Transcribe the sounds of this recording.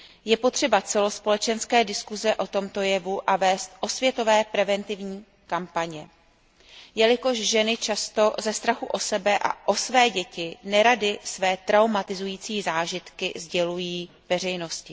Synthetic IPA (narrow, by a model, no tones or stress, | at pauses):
jɛpot̪r̝̥ɛbat͡sɛlo̞spo̞lɛt͡ʃɛnskɛːdɪskuzɛʔo̞t̪o̞mt̪o̞jɛvuʔavɛːst̪ʔo̞svjɛt̪o̞vɛːpɾɛvɛnt̪ɪvɲiː | kampaɲɛ | jɛlɪko̞ʃʒɛnɪt͡ʃast̪o̞zɛst̪ɾaxuʔo̞sɛbɛʔa̰ʔo̞svɛːɟɛcɪnɛɾadɪsvɛːt̪ɾawmat̪ɪzujiːt͡siːzaːʒɪt̪kɪzɟɛlujiː | vɛr̝ɛjno̞scɪ